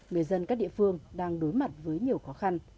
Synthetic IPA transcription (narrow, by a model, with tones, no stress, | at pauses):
ŋɨ˨˩əjzə˧nkaː˦˥k̚ɗ̰ḭ˧˨fɨ˧əŋɗaː˧ŋɗo˨˦jma˨˩t̚vəː˨˦jɲi˨˩əwxɔ˨˦xa˧n